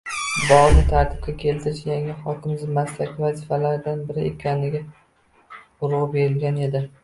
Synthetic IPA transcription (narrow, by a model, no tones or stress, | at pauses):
bɒʁlˠɪt̪ʰaɾt̪ʰɪ̥b̚kʲakʲʰe̞lt̪ʰɪɾɪʃjaŋɪχɒkʲɪmzɪmaslakʲʰɪvazɪfalaɾɪd̪anbɪɾɪʔekʲʰanɪɡʲa | ʊɾʁɑbe̞ɾɪlɡʲane̞d̪ɪ